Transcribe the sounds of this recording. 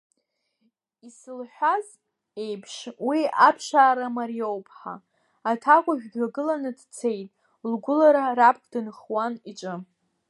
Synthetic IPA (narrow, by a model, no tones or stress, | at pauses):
isɨlħʷᶣaz | e̞jpʰʂwiapʰʃaːɾamaɾijo̞wpʰħa̰ | atʰakʷʼʊʒᶣɡaɡɨlanɨdt͡sʰe̞jtʼ | lɡʷʊlaɾaɾapʰkʰʼdɨnχwanit͡ʃʼɨ